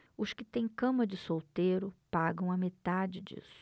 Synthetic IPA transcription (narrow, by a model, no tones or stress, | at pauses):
ʊskɪt̪ẽj̃kɐ̃mɐd͡ʒɪsowt̪eɾʊpaɡɐ̃w̃ɐmet̪ad͡ʒɪd͡ʒḭsʊ̥